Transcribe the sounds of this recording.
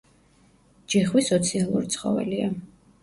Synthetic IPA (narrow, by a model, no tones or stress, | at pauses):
d͡ʒɛχwisɔt̪sʰialˠṵɾit̪sʰχɔ̰vɛ̰lia